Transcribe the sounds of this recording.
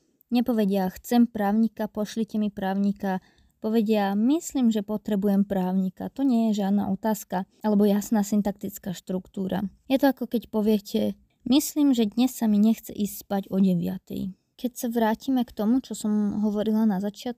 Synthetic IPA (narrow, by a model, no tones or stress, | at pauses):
ɲɛpɔʋɛɟɪaxt͡sɛmpɾaːʊɲikapɔʃlicɛmipɾaːʊɲika | pɔʋɛɟɪamisliːmʒɛpɔt̪ɾɛbujɛmpɾaːʊɲika̰t̪ɔɲɛjɛʒɪad̪na̰ʔɔt̪aːskaʔalɛbɔjasnaːsint̪ak̚t̪it͡skaːʃt̪ɾukt̪uːɾa̰jɛt̪ɔakɔkɛcpɔʋɪɛcʰɛ | misliːmʒɛd̪ɲɛsːamiɲɛxt͡sɛ̰ʔiːsspaɟɔɟɛʋɪa̰t̪ɛ̰j | kɛcsaʋɾaːcimɛkt̪ɔmut͡ʃɔsɔmɦɔʋɔɾilanazat͡ʃɪat̪̚k